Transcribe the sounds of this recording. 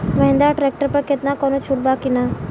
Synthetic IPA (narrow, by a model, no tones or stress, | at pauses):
mɐɦɪ̃nd̪aʈɾeːk̚ʈəɾpəɾkɪt̪nakɔnot͡ʃʰʊʈ̚bakina